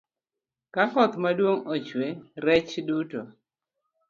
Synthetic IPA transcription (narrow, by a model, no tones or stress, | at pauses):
kakɔt̪madwoŋot͡ʃweɾɛt͡ʃduto